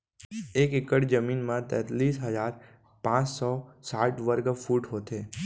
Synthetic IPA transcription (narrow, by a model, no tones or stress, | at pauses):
ekekəʈd͡ʒəminmãt̪ɛ̃t̪lisɦəd͡ʒaɾ | pãt͡ʃsɔsaʈʋəɾɡfuʈɦot̪ʰe